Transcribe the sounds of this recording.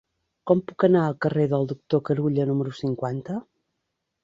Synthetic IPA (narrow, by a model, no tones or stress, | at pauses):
kɔmpukənaəlˠkəreðəlˠd̪uk̚t̪okəɾuʎənuməɾusiŋkwant̪ə